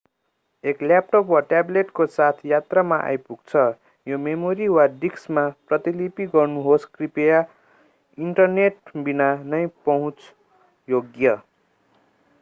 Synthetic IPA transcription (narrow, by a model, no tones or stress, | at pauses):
eklap̚ʈopwaʈableʈkosat̪ʰjat̪ramaʔa̰jpuɡ̚t͡sʰʌ | jomemoɾiwaɖiksmaprʌt̪ilipiɡʌrnuɦoskripeja | iɳʈʌrneʈ̚binanʌjpʌɦũt͡s | joɡjʌ